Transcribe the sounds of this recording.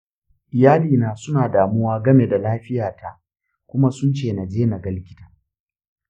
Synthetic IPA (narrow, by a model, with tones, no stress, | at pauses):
ʔɪ˨jaː˦liː˨naː˨sʊ˦naː˨daː˨mʊ˦waː˦ɡɐ˦me˨da˨laː˦ɸɪ˦jaː˨ta˦ | kʷʊ˦ma˦sʊ˦nt͡ʃeː˨na˨d͡ʒeː˦na˨ɡɐ˦lɪ˦kʲɪ̥˦ta˨